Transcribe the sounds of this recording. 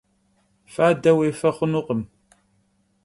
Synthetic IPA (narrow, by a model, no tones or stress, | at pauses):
faːdɐweːfɐχʷʊnuqəm